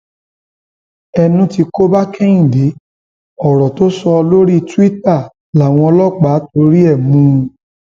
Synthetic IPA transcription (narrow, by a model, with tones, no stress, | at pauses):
ɛ˧nũ˦ti˧ko˦ba˦kɛ˦ĩ˨de˨˦ | ɔ˨ɾɔ˨to˦sɔ˧ɔ˧lo˦ɾi˦˧tu˦i˦ta˦˨ | la˨w̃ɔ̃˧ɔ˧lɔ˦k͡pa˨˦to˧ɾi˦ɛ˦˨mũ˦˧